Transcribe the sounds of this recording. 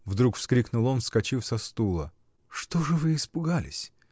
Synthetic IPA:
vd̪ɾukfskɾʲiknʊlˠonfskɐt͡ɕifsɐst̪ulˠə | ʂt̪oʐɨvɨɪspʊɡalʲɪ̰sʲ

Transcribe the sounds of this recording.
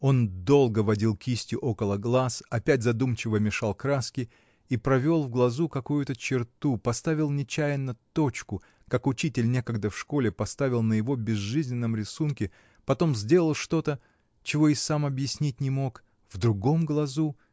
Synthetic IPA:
o̞nd̪o̞lˠɡəvɐdʲilˠkʲisʲtʲɪʔo̞kəlˠəɡlˠasɐpʲæt̚ʲzɐd̪umt͡ɕɪvəmʲɪʂalˠkɾaskʲɪ | ipɾɐvʲo̞lˠvɡlˠɐzukɐkujʊt̪ət͡ɕɪrt̪upɐst̪avʲɪlˠnʲɪt͡ɕæjɪnːɐt̪o̞t͡ɕkʊ | kakʊt͡ɕitʲɪlʲnʲe̞kəɡd̪əfʂko̞lʲɪpɐst̪avʲɪlˠnəjɪvo̞bʲɪzʐɨzʲnʲɪnːəmɾʲɪsunkʲɪ | pɐt̪o̞mzʲdʲe̞lˠəlˠʂt̪o̞t̪ə | t͡ɕɪvo̞ɪsamɐbjɪsʲnʲit̚ʲnʲɪmo̞k | vd̪ɾʊɡo̞mɡlˠɐzu

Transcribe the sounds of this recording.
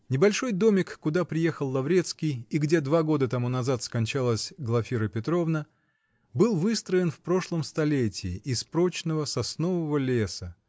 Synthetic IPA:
nʲɪbɐlʲʂo̞jd̪o̞mʲɪkːʊd̪apɾʲɪje̞xəlˠːɐvɾʲe̞t̪skʲijɪɡdʲe̞d̪vaɡo̞d̪ət̪ɐmunɐzat̪skɐnʲt͡ɕalˠəsʲɡlˠɐfʲiɾəpʲɪt̪ɾo̞vnə | bɨlˠvɨst̪ɾəɪnfpɾo̞ʂlˠəmst̪ɐlʲetʲɪːʔɪspɾo̞t͡ɕnəvəsɐsno̞vəvəlʲesə

